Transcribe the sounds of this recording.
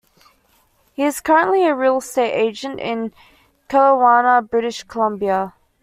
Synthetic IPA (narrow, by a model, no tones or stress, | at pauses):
hiɪz̥kʰʌɹə̃nʔliəɹilˠsteɪʔeɪd͡ʒə̃ntɪ̰̃n | kʰæɹəwɑːnəbɹɪɾɪʃkʰəlʌ̃mbiə